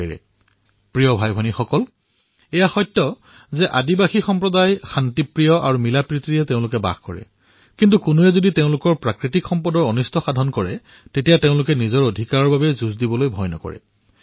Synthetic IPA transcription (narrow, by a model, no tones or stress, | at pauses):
ɹɛ̰ | pɹijɔbʱajbʱɔnixɔkɔl | ɛjaxɔjtːɔ | zɛʔadibaxixɔmpɹɔdajxantipɹijɔʔa̰ɹumilapɹitɹiɛteʊ̃lʊk̬ɛba̰xkɔɹɛ̰ | kint̬ukʊnuɛzoditeʊ̃lʊkɔɹpɹakɹitikxɔmpɔdɔɹɔnistɔxadʱɔnkɔɹɛ | tetijateʊ̃lʊkɛnizɔɹodʱikaɹɔɹbabɛzuzdibɔlojbʱɔjnɔ̰kɔ̰ɹɛ̰